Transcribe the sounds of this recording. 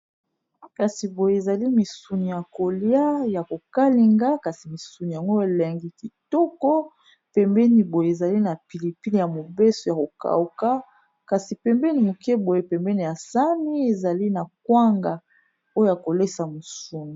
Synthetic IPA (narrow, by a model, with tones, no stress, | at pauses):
ka˨si˨bo˨je˨e˨za˨li˦mi˨su˨ni˨ja˨ko˨lja˦ja˨ko˨ka˦li˨ŋɡa˦ka˨si˨mi˨su˨ni˨ja˨ŋɡo˦e˨lɛ˨ŋɡi˨ki˨tɔ˦kɔ˦ | pɛ˨mbɛ˦ni˨bo˨je˨e˨za˨li˦na˨pi˨li˨pi˦li˨ja˨mo˨be˦so˨ja˨ko˨ka̰˨u˨ka˦ | ka˨si˨pɛ˨mbɛ˦ni˨mu˨kɛ˦bo˨je˨pɛ˨mbɛ˦ni˨ja˨sa˦ni˦e˨za˨li˦na˨k̚wa˦ŋɡa˨ | o˦jo˦ja˨ko˨le˦sa˨mo˨su˦ni˨